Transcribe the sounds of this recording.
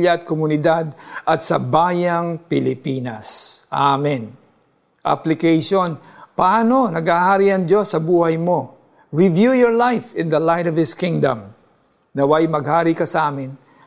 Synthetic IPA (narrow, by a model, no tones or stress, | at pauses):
jɐɐt̪̚komʊnɪd̪ad̪̚ʔɐt̪sɐbaːjɐŋpɪlɪpiːnɐsʔamɛn | ʔa̰plɪkejʃonpɐʔaːnonɐɡhahaːɾiʔɐŋd͡ʒosːɐbuːhɐjmo̞ | ɹɪvjujɔɹlajfɪ̃nd̪ɐlajɾɔvɪskɪ̃ŋd̪ɐ̰̃m | nɐwajmɐɡhaːɾikɐsɐʔaːmɪn